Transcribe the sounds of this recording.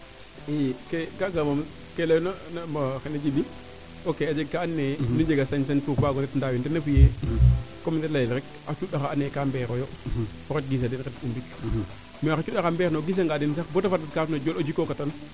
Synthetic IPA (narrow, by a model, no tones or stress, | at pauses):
ijkekakamam | kelajnanmaxened͡ʒidi | okead͡ʒeɡ̚kaanːenud͡ʒeɡasansantuɾfaːɡɔnɛtndawintenafuje | komintelajɛlɾɛk̚ | at͡ʃuɗaxaanːekambɛɾojo | ɔket̚ɡis̬adinketumbik | miaxt͡ʃuɗaxambeɾnoɡis̬aŋɡaːdins̬axbotafatatkafnod͡ʒolod͡ʒikokatan